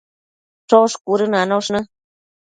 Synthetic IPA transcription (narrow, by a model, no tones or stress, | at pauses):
ʈ͡ʂoʂkuɾɨnanõʂnɨ̃